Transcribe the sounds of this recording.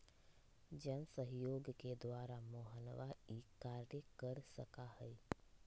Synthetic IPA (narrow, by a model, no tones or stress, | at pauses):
d͡ʒənsəɦjoːɡked̪wʋaːɾamoɦənʋaiːkaːɾjəkəɾsəkahəi